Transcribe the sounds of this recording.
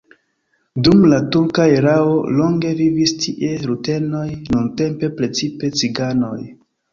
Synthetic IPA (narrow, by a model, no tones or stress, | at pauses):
dumlatuɾkaeɾaolo̞ŋɡe̞vivistʰiʔe̞ɾute̞no̞jnunte̞mpe̞pɾe̞t͡sipe̞t͡siɡano̞j